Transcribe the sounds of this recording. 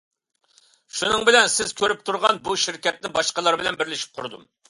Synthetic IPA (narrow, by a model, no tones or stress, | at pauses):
ʃunɨŋbɪlɛnsɪz̥kʲʰøɾyp̚t̪ʰuɾʁɑnbuʃiɾkʲɛt̪̚nɪbɑʃqəlˠɑɾbɪlɛnbɪɾlɪʃi̥p̚qʰʊɾd̪ṵm